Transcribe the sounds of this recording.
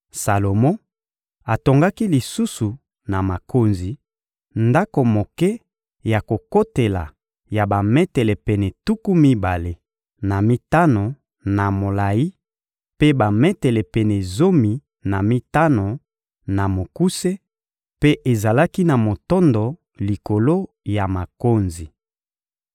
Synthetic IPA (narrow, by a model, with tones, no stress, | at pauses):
sa˨lo˨mɔ̃˦ | a˨to˨ŋɡa˦ki˦li˨su˦su˨ | na˨ma˨kʰo˨nzi˨ | nda˦ko˨mo˨kɛ˦ | ja˨ko˨ko˦te˨la̰˨ | ja˨ba˨mɛ˦tɛ˨lɛ˨pɛ˨nɛ˨tu˦ku˦mi˦ba˨le˨ | na˨mi˦ta˦no˨ | na˨mo˨la˨ji˦ | pe˦ba˨mɛ˦tɛ˨lɛ˨pɛ˨nɛ˨zo˦mi˨ | na˨mi˦ta˦no˨ | na˨mo˨ku˦se˦ | pe˦ʔe˨za˨la˦ki˦na˨mo˨tɔ˦ndo˨ | li˨ko˨lo˦ | ja˨ma˨ko˦nzi˨